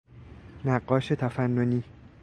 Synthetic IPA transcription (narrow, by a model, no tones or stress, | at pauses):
naqːɔʃət̪ʰafanːoni